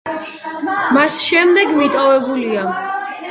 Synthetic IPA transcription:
masʃɛmd̪ɛɡmit̪ʼɔvɛbulia

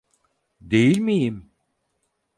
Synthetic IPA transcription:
d̪e̞jilʲmijim

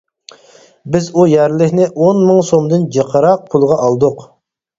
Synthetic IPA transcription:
bɪzujæɾlɪkʲnɪʔonmɨŋsomd̪ɨnd͡ʒəqʰəɾɑq̚pʰulˠʁɑʔɑlˠd̪ʊq

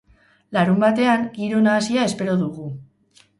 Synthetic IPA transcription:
laɾumbat̪e̞aŋɡiɾo̞naːsiae̞spe̞ɾo̞ðuɣu

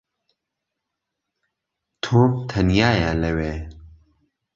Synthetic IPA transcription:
t̪ʰomt̪ʰɐnjajalewɛ

